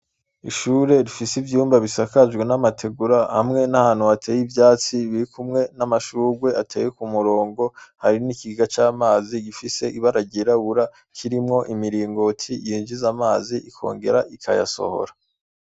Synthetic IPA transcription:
iʃuːɾe̞ɾifisivjuːmbaβisakaʒɡwe̞namatʰe̞ɡuɾahamŋe̞nahaːn̥huβatʰe̞ːjivjaːt͡siβiɾikumŋe̞namaʃuːɡwe̞ʔatʰe̞ːjekumuɾo̞ːŋɡo̞haɾinikiɡɡat͡ʃaːmaːziɡifise̞iβaɾaɟiɾaβuɾa | kʰiɾimŋo̞ʔimiɾiːŋɡo̞tʰijiːnʒizamaːziʔikʰo̰ːŋɡe̞̰ɾaʔikʰa̰ja̰so̞̰ho̞̰ɾa

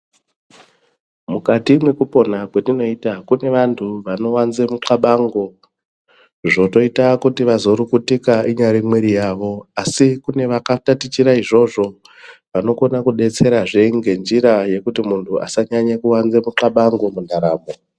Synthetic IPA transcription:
mukatimwekupo̞nakwetino̞itakune̞ʋantʰuʋano̞wanzemuǁaɓaŋɡo̞ | ʐo̞to̞itakutiʋazo̞ɾukutikaiɲaɾimweɾijaːʋo̞asikune̞ʋakatatit͡ʃiɾaiʐo̞ʐo̞ | ʋano̞ko̞nakuɗe̞t͡se̞ɾaʐeŋɡe̞nd͡ʒiɾaje̞kutimuntʰuʔa̰saɲaɲakuwanze̞muǃaɓaŋɡo̞mundʱaɾaːmbo̞

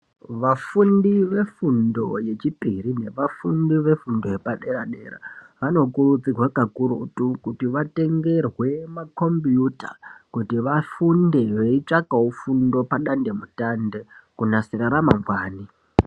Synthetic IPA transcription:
ʋafundiʋe̞fundo̞je̞t͡ʃipirine̞ʋafundiʋe̞fundo̞je̞paɗe̞ɾaɗḛɾa̰ʋano̞kurut͡sirwakakuɾṵtukutiʋate̞ŋɡe̞rwe̞mako̞mbjuta̰kutiʋafunde̞ʋe̞it͡ʂakaufundo̞paɗande̞mutande̞kunasiɾaɾamaŋɡwaːni

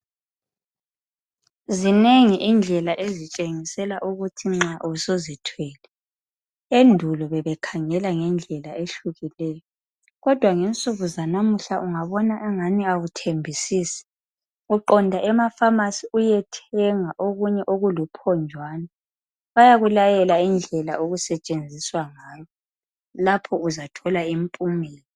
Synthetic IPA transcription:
zineŋiʔind͡ɮʱɛlaʔezit͡ʃʼeŋisɛlaʔuɣutʰiŋ͡ǁaʔusozitʰwɛːlɛ | endʱulɔβɛβɛkʰaŋɛlaŋɛnd͡ɮʱɛlaʔeɬuɣilɛːjɔ | ɣɔd̥ʱwaŋent͡sʼuɣuzanamuɬaʔuŋaβɔnaʔɛŋaniaɣutʰembʱisiːsi̥ | uǃɔndʱaʔɛmafamasiujɛtʰɛŋaʔoɣuɲɛʔoɣulupʰɔnd͡ʒʱwaːna | βajaɣulajɛlaind͡ɮʱɛlaoɣusɛt͡ʃʼend͡zʱiswaŋaːjɔ | lapʰɔuzatʰɔlaimpʼumɛːlɛ

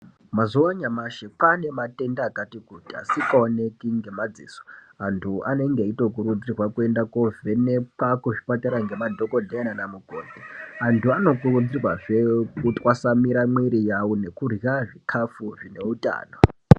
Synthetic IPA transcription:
mazuwaɲamaʃepane̞matʼe̞ndaːkatikutia̰sikaone̞kiŋɡe̞mad͡zḭːso̥ | antʰuʔane̞ŋɡeito̞k̬uɾud͡zirwakue̞ndakovenepakuʐipataɾaŋɡe̞madʱo̞ko̞dʱenanamuɡʱoːdiantʰuano̞kurud͡zirwaʐe̞kutʼwasamiɾamwiɾijawone̞kurjaʐikʰafuʐine̞utʼa̰ːno

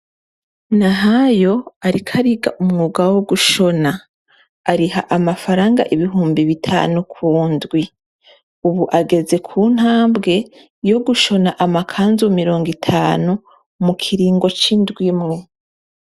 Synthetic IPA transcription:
naɦajo̞aɾikʰaɾiɡa̰ʔumŋuːɡawoɡuʃo̞naː | ɾiɦaʔamafaɾaːŋɡa̰ʔiβiɦuːmbiβitʰa̰ːnukʰuːndɡwi | uβuʔaɡe̞ze̞kʰuːn̥haːmbɡe̞ | jo̞ɡuʃo̞naʔamakʰaːnzumiɾo̞ːŋɡitʰaːnu | mukʰiɾiːŋɡo̞t͡ʃindɡwimŋe̞

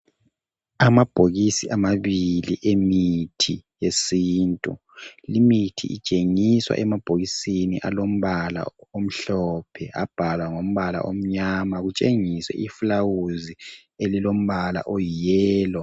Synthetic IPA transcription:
amab̥ʱoɣisiʔamaβiliʔemitʰijesiːntʼṵ | limitʰḭʔḭt͡ʃʼeŋiswa̰ʔɛmab̥ʱoɣisinḭʔalom̩βala̰om̩ɬɔpʰɛʔab̥ʱalwaŋom̩βala̰ʔom̩ɲamaɣut͡ʃʼeŋisɛ̰ʔifulawuzi | elilom̩βala̰ʔɔjijɛːlɔ

